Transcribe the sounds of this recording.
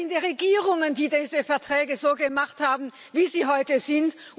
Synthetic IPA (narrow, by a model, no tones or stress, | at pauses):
ɪndeʁeɡiːʁʊŋəndiːdiːzəfɛɐtʁ̥ɛːɡəzoːɡəmaχthaːbm̩ | viːziːɦɔʏtəz̥ɪnt